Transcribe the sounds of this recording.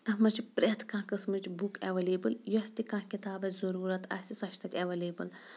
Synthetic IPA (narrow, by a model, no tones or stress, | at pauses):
t̪ɐfmɐt͡ʃpɾʲet̪kãːkɨsmɨt͡ʃbukɐʋɐleːbɨljosʲt̪ikãːkʲit̪aːbɐzɐɾuːɾɐt̪ʰɐ̰sisɐʃʰt̪ʰɐt̪ʲɐʋɐlʲeːbɨ̰l